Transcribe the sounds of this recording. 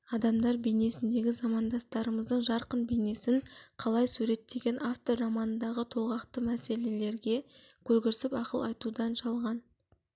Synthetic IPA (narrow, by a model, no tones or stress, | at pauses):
ɑd̪ɑmd̪ɑɾbejne̞sɪnd̪e̞ɡʲɪzɑmɑnd̪ɑst̪ɑɾəməzd̪əɴʒɑɾqənbejne̞sɪŋqʰɑlˠɑjsuɾe̞t̪ːe̞ɡʲe̞naft̪orɑmɑnənd̪ɑʁət̪ʰolˠʁɑqt̪əmæse̞le̞le̞ɾɡʲe̞kʲʰɵɾɡʲɪɾsɪpɑqəlˠɑjt̪ud̪ɑnʃɑlˠʁɑn